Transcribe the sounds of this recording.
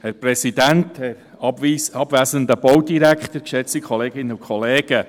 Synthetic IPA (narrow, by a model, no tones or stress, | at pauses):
hɛɾprɛsidænthɛɾ | ɑbisɑbvæːzəndəb̥ɔwdiɾækχtəkʃɛt͡sikʰχɔleːɡɪnːəukʰχɔleːɡ̥ə